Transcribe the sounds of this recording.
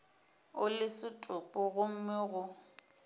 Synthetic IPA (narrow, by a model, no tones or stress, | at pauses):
ʊlɪsɪtʼʊpʼʊɣʊm̩meɣʊ